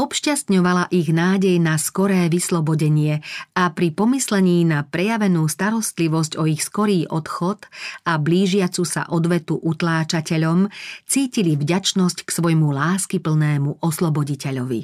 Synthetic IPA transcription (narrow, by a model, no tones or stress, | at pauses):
ɔpʃcast̪ɲɔʋalaʔiɣnaːɟɛjnaskɔɾɛːʋislɔbɔɟɛɲɪɛapɾipɔmislɛɲiːnapɾɛjaʋɛnuːst̪aɾɔst̪liʋɔscɔixskɔɾiːʔɔt̪xɔt̪abliːʒɪat͡susa̰ʔɔd̪ʋɛt̪uʔut̪laːt͡ʃacɛʎɔmt͡siːcilivɟat͡ʃnɔscksʋɔjmulaːskipl̩nɛːmuʔɔslɔbɔɟicɛʎɔʋḭ